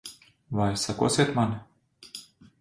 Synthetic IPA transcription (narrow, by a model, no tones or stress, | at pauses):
vajsako̰sʲet̪man